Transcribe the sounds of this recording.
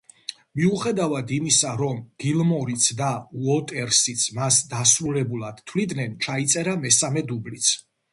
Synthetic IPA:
miuχɛd̪avad̪imisaɾɔmɡ̥ilˠmɔɾit̪sʰd̪auɔt̪ʼɛɾsit̪sʰmasd̪asɾulɛbulˠad̪̥t̪ʰvlid̪nɛnt͡ʃʰait̪sʼɛɾamɛsamɛd̪ublit̪sʰ

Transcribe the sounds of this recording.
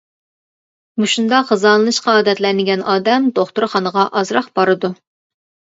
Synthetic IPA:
buʃund̪ɑχəzɑlˠɨnɨʃqɑɑːd̪ɛt̪lɛnɪɡʲɛnʔɑːd̪ɛmd̪oχt̪uɾχɑnəʁɑʔɑzɾɑχb̥ɑɾɨd̪u

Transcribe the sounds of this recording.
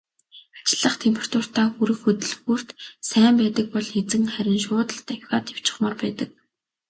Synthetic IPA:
ḁt͡ɕɪ̆ɮːə̆χt̪ʰempʰʲe̥r̥t̪ʰʊr̥t̪aːŋxuɾɘ̆xɵt̪ɵ̆ɮxur̥t̪sæːmpæːt̪ə̆k̚pɔɮet͡sɘ̆ŋχæɾʲɪ̆nʃʊːt̪ə̆ɬt̪æwʲxʲaːt̪ʰew̥t͡ɕɪ̥̆χmɔrpæːt̪ə̆k̚

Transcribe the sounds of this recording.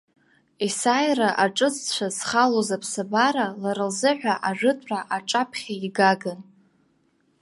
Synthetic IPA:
isajraʔaʈ͡ʂʼɨt͡sʰʼt͡ɕʷʰazχalozapʰsabaɾalaɾɨlzɨħʷᶣaʔaʐɨtʷʼraʔaʈ͡ʂʼapʰχʲaiɡaɡan

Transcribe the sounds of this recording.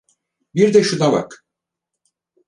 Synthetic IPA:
biɾd̪ɛʃunaba̰k

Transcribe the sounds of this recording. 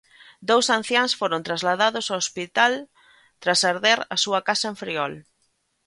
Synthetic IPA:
d̪owsan̟θjansfoɾõnt̪ɾazlaðaðʊsaospit̪al | t̪ɾasaɾðeɾɐsuɐkasɐẽɱfɾiɔl

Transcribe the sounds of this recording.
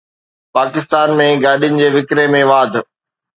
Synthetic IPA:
paːkɪst̪aːnmẽɡaːɗijʊnɪ̆d͡ʑeːʋɪkɾemẽʋaːd̪ʱ

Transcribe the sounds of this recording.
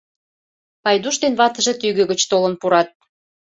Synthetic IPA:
pɑjd̪uʃt̪enβɑt̪ə̆ʒĕt̪yɣø̆ɣə̆t͡ɕt̪olənpuɾɑt̪̚

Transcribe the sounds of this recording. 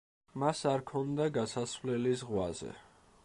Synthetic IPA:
masaɾkʰɔnd̪aɡasasvlɛlizʁwazɛ̰

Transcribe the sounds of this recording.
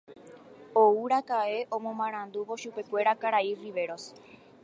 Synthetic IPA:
ouɾakae̞ʔõ̞mõmãɾ̃ãnd̪uʋo̞ʃupe̞kʷe̞ɾakaɾairiʋe̞ɾo̞s

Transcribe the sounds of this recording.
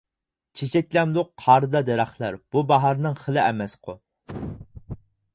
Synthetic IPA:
t͡ʃʰet͡ʃʰɛkʲlɛmd̪ʊqːʰɑɾɨd̪ɑd̪ɛɾæχlˠæɾb̥ubɑɦɑɾnɨŋχəlˠɪɛmɛsqʰʊ

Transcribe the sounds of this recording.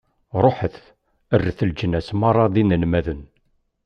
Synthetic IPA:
ɾˤoħəθ | ərːəθəld͡ʒənːæsmɑrˤːɑðinənmæðən

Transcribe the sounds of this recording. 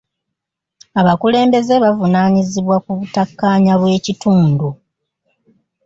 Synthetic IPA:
aβakule̞ːmbe̞ze̞βavunaːɲiziβwakuβutakːaːɲaβwe̞ːcituːndu

